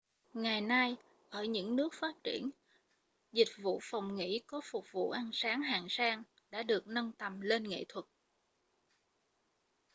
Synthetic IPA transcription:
ŋa˨˩jna˧j | ʔəː˧˩jɲɨ̰˧˥ŋnɨ˦˥ək̚faː˦˥t̚t͡ɕi˧˩ən | zï˨˩k̟̚vṵ˧˨fa˨˩wŋ͡mŋḭ˧˥kɔ˨˦fʊ˨˩k͡p̚vṵ˧˨ʔa˧nsaː˨˦ŋɦaː˨˩ŋsaː˧ŋ | ɗa̰ː˧˥ɗɨ˨˩ək̚nə˧nt̪ə˨˩mle˧nŋḛ˧˨t̪ʰwə˨˩t̚

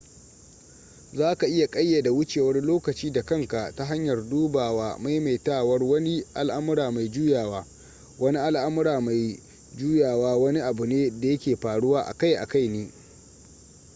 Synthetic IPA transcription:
zaː˦ka˨ʔɪ˦ja˨kʼɐ˦jːa˨da˨wʊ˦t͡ʃeː˨wɐ˦rloː˦kɐ˨t͡ʃiː˦da˨kɐ˦˨ŋka˨ʔta˦ɦa˦ɲjɐ˨rduː˦baː˨waː˦ma˦jma˨jtaː˦wɐ˦rwɐ˦ni˦ʔa̰˨lʔa˦mʊ˦ɾaː˨ma˨jd͡ʒuː˦jaː˨waː˦ | wɐ˦ni˦ʔa˦lʔa˦mʊ˦ɾaː˨ma˨j | d͡ʒuː˦jaː˨waː˦wɐ˦ni˦ʔa˨bʊ˨neː˦da˨jɐ˦kʲeː˨ɸaː˨ɽʊ˦waː˦ʔa̰˨ka˦˨jʔa̰˨ka˦jneː˦

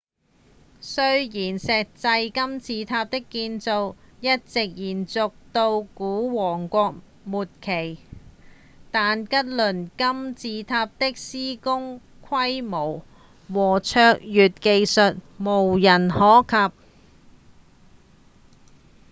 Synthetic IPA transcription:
sɵ˥ɥjiː˨˩nsɛː˨˧k̚t͡sɐ˧jkɐ˥mt͡siː˧t̪ʰaː˧p̚t̪ɪ˥kːiː˧nt͡so˧wjɐ˥t̚t͡sɪ˨k̚jiː˨˩nt͡sʊ˨k̚t̪o˧wkuː˨˥wɔː˨˩ŋkʷɔː˧k̚ | muː˨t̚kʰe˨˩j | t̪aː˨nkɐ˥t̚lɵ˨˩nkɐ˥mt͡siː˧t̪ʰaː˧p̚t̪ɪ˥k̚siː˥kʊ˥ŋ | kʷʰɐ˥jmo˨˩w | wɔː˨˩t͡ʃʰœː˧k̚jyː˨t̚ke˧jsɵ˨t̚mo˨˩wjɐ˨˩nhɔː˨˥kʰɐ˨p̚

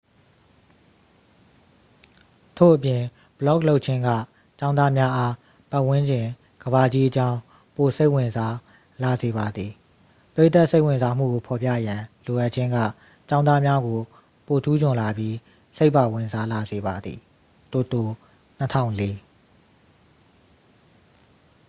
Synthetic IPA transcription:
tʰo̰˦˨ʔəpjɪ̃˨ | b̥əlɔ˦˨klo˦ʊʔ̚t͡ɕʰɪ̃˦ŋɡä̰˦˨ | t͡ɕã˦ʊ̃nða˦mja˦ʔa˦ | pa˦ʔwɪ̃˦ɲd͡ʑɪ̃˨ | ɡ̥əβa˨d͡ʑi˦ʔət͡ɕã˦ʊ̃ | po˨se˦ɪʔwɪ̃˨nza˦ | la˨ze˨βa˨d̪ði˨ | pəɹḛ˦˨t̪a˦˨ʔse˦ɪwɪ̃˨nza˦m̥ṵ˦˨ɡo˨pʰɔ˨pja̰˦˨jã˨lo˨ʔa˦ʔ̚t͡ɕʰɪ̃˦ŋɡä̰˦˨ | t͡ɕã˦ʊ̃nða˦mja˦ɡo˨ | po˨tʰu˦d͡ʑʊ̃˨la˨bji˦ | se˦ɪʔpːa˨wɪ̃˨nza˦la˨ze˨ba˨d̪ðḭ˨ | t̪o˨t̪o˨ | n̥ətʰã̰˦˨ʊ̃le˦

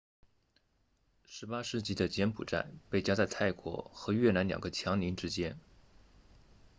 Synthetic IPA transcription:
ʂɻ̩˧˥pa˥ʂɻ̩˥˧t͡ɕi˥˩d̪ə˩t͡ɕjɛ˧˥npʰṵ˨˩ʈ͡ʂa̰˥˩ɪpe˥˩ɪt͡ɕja˥t͡sa˥˧ɪt̪ʰa˥˩ɪkwɔ̰˧˥xɤ˧˥ɥɛ˥˩na˧˥nljɑ̰˨˩ŋɡə˧˦t͡ɕʰjɑ˧˥ŋli˧˥nʈ͡ʂɻ̩˥t͡ɕjɛ˥n

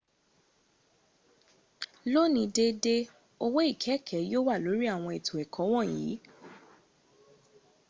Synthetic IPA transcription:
lo˦˨nĩ˨˧˦de˦de˦ | o˧wo˦i˦˨kʰɛ˨˦kʰɛ˨˦jo˦wa˦˨lo˨˦ɾi˦a˦˨w̃ɔ̃˧e˨tʰo˨ɛ˨kʰɔ̃˨˦w̃ɔ̃˦˨jiː˨˦

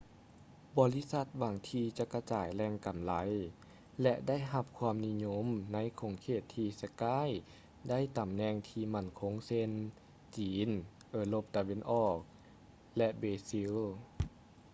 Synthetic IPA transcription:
bɔː˧li˦˥˨sa˧˥t̪̚waː˨˧˩ŋt̪ʰiː˧t͡ɕa˧ʔka˧t͡ɕaː˨˩jlɛː˧ŋka˨˩mla˨˦j | lɛ˧ʔda˥˨jɦa˧p̚kʰwaː˧˨mni˧˥˨ɲo˧˥mna˧˥jkʰo˧˩˦ŋkʰeː˧˩t̪ʰːiː˧sa˧kaː˧˥˩j | da˥˨jt̪a˨˩mnɛː˧ŋt̪ʰiː˧˩ma˧˩˨nkʰo˧˥ŋse˧n | t͡ɕiː˨˦n | ʔɤː˧˩lo˧˩p̚t̪a˧˨we˧˥˨nʔɔː˧˩k̚ | lɛ˧ʔbeː˧si˧˥l

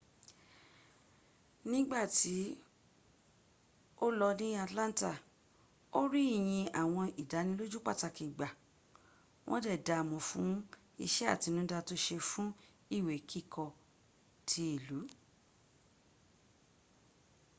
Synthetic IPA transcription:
nĩ˦ɡ͡ba˦˨ti˨˦ | o˦lɔ˧nĩ˦a˧tlã˦n˦ta˦˨ | o˦ɾi˦˨j̃ĩ˧a˨w̃ɔ̃˧i˨da˨˦nĩ˧˦lo˦d͡ʒu˦k͡pa˦˨ta˧kĩ˨ɡ͡ba˨ | wʔɔ̰̃˦dɛ˦˨da˨mɔ̃˨fũ˨˦ | ḭ˧ʃɛ˦a̰˦˨ti˨˧nũ˦da˧to˧˦ʃe˧fũ˦ | i˦˨we˨kʰi˦˨kʰɔ˧ | tʰi˧˦i˦˨lu˨˦

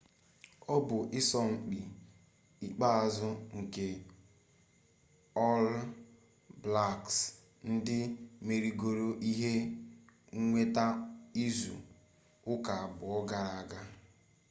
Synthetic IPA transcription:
ɔ˦bʊ˨ʔɪ˦sɔ˦ŋ͡m̩˨k͡pi˨ | i˨k͡pa˦a˨zʊ˦ŋ̩˨ke˨ | ɔ˦l | bla˦˨ks | n̩˦dɪ˦me˨ɾi˨ɡo˨ɾo˦ʔi˦ɦe˦ | ŋ̩˦ŋʷe˦ta˦i˦zṵ˨ | ʊ˦ka˨a˨bʊ˨ɔ˦ɡa˦˨ɾa˨a˨ɡa˦

